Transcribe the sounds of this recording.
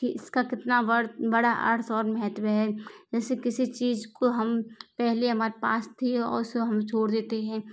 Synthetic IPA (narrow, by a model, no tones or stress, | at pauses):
kiʔɪskakɪt̪nabɐɽbɐɽaʔɐ̰ɽsɔːɾmɛɦɛt̪wɦɛd͡ʒɛːsekɪsit͡ʃiːzkoɦɐmpɛɦleɦɐmaːɾepa̰ːst̪ʰiɛɔ̰ːɾsoɦɐmt͡ʃʰoːɽd̪eːt̪eɦɛ̃ː